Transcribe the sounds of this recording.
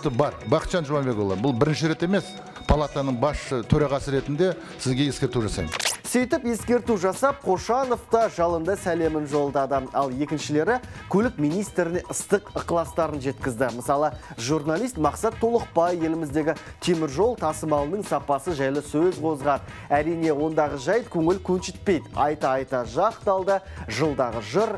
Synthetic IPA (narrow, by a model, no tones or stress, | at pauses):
t̪əbɑɾbɑqt̪ʃɑnʒowɑnbe̞kolˠɑ̰bʊlˠbɪɾɪnʃɪɾe̞t̪e̞me̞s | pʰalˠat̪anəɴbɑsʃət̪ʰɵɾɑʁɑsəɾe̞t̪ɪnd̪e̞ | sɪzɡʲe̞je̞skʲe̞ɾt̪uʒɑsɑ̰jmsijt̪ɪpje̞skʲe̞ɾt̪uʒɑsɑp̚qʰo̞ʃɑno̞ft̪ɑʒɑlˠənd̪ɑsæle̞mɪnʒo̞lˠd̪ɑd̪əɑlˠje̞kʲɪnʃɪle̞ɾɪkʲʰɵlɪkmijnijst̪ɾɪneʔəst̪əqəqəlˠɑst̪ɑɾənʒe̞t̪kʲɪzd̪ɪməsɑlˠəʒurnɑlˠijst̪mɑqsɑt̪ʰːo̞lˠəq̚pɑjːe̞lɪmɪzd̪e̞ɡʲɪt̪ʰe̞mɪɾʒo̞lˠt̪ʰɑsəmɑlˠənəɴsɑpɑsəʒæjlɪsɵzqʰo̞zʁɑd̪ | æɾijne̞wo̞nd̪ɑʁəʒɑjt̪̚kʲʰɵŋɪlkʲʰɵnʃɪt̪̚pe̞jd̪ɑjt̪ɑɑjt̪ɑʒɑqt̪ɑlˠd̪əʒəlˠd̪ɑʁəʒəɾ